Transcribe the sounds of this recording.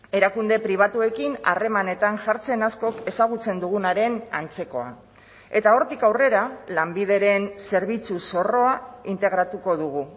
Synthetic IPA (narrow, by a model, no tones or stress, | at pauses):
e̞ɾakund̪e̞pɾiβ̞at̪ue̞kina̰re̞mane̞t̪aŋʝaɾt͡se̞nasko̞ke̞saɣ̞ut͡se̞nd̪uɣ̞unaɾe̞na̰nt͡se̞ko̞a̰ | e̞t̪ao̞ɾt̪ikawre̞ɾalambið̞e̞ɾe̞nse̞ɾβ̞it͡suso̞ro̞aint̪e̞ɣ̞ɾat̪uko̞ðuɣ̞u